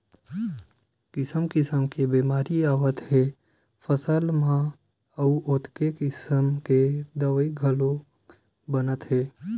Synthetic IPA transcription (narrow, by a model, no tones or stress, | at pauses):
kɪsəmkɪsəmkebeːmaːɾiaːwət̪heː | pʰəsəlmã | əuʔoːt̪kekɪsəmked̪əʋiɡʱəlo | bənət̪ɦeː